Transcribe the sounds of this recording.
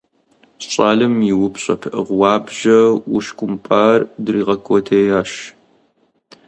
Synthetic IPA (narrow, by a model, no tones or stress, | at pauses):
ɕʼaːlɨmjɪwʊpɕʼɐ̰pʰʔɨʁʷwɑːbʒɐwʊʃkʷʼʊmpʼaːrdriːʁɐkʰʷʼɔtʰeːjaːʃ